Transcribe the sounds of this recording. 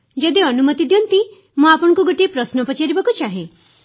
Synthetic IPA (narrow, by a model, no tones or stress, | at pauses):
d͡ʒɔd̪iɔnumɔt̪id̪ijɔnt̪i | mũapɔɽ̃ɔ̃ŋkuɡoʈiepɾɔsnɔpɔt͡ʃaɾibakut͡ʃaɦe